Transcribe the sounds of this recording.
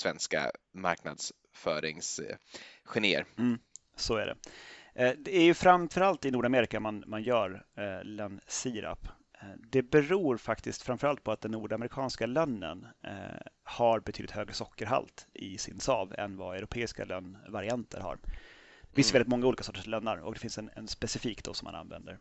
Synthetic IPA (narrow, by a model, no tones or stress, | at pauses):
svɛnska̰ma̰ɾkna̰d̪s | fœːɾɪŋs | ɧɛneːə̰ɾm̩ː | sɔæɖɛ̰ | d̪ɛæɾjɵfɾamfœɾalt̪ɪnuːɖameːɾɪkamanmanjœːɾlɛnsiːɾa̰p | d̪ɛbɛɾuːɾfakt̪ɪskt̪fɾamfœɾalt̪̚pʰɔat̪̚d̪ɛnːuːɖamɛɾɪkʰɑːnskalœnːə̰n | haɾbɛt̪ʰyːd̪ɪt̪ʰhøːɡɾəsɔkːəɾɦa̰lt̪ʔɪsɪ̰nsɑːvɛ̰nvaœɾʊpʰeːɪska̰lœnːvaɾɪant̪ʰə̰ɾha̰ɾd̪fɪnsjəvɛlɪt̪mɔŋːauːlikasɔːʈːəʂlœnːa̰ɾɔ̰k̚d̪ɛfɪnsɛnɛ̰nspɛsɪfiːkt̪d̪ɔ̰sɔmːa̰na̰nvɛ̰nd̪əɾ